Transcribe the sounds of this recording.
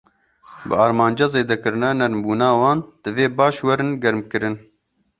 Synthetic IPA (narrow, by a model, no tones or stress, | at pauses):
bɨɑːɾmɑːnd͡ʒɑːzeːd̪ɛkɨɾɨnɑːnɛɾmbuːnɑːwɑːnd̪̥ɨveːbɑːʃwɛɾɨnɡɛɾmkɨɾɨn